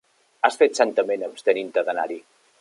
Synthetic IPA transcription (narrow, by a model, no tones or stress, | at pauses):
asfet̪sant̪əmenəpst̪ənint̪əðəna̰ɾi